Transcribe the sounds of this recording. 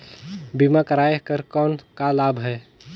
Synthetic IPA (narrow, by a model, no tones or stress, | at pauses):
bimakəɾaekəɾkɔːnkalabʱɦɛː